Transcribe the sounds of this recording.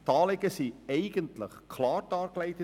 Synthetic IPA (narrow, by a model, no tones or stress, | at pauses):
tɑːlɪɡəsiɛɪɡəntlə̰χkʰlɑːɾdɑːɾklɛɪtə